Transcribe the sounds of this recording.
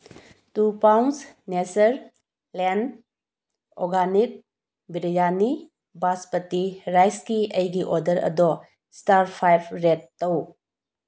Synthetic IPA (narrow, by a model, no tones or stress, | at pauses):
tupawnsnesɐɾ | len | ɔɾɡanik̚ | biɾijani | baspɐtiɾajskiɐjɡiʔɔdɐɾɐ̰dɔ | staɾpʰajpʰɾetːow